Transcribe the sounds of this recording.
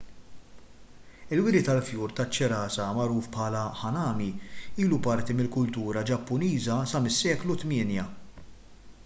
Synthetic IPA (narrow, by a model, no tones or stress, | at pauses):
ɪlwɪɾɪt̪ɐlfjuːɾt̪ɐt͡ʃːɛɾɐːsɐmɐɾuːfpħɐːlɐħɐnɐːmiiːlupɐɾt̪imɪlkʊlt̪uːɾɐd͡ʒɐpːʊniːzɐsɐmɪsːɛːklut̪mɪːnjɐ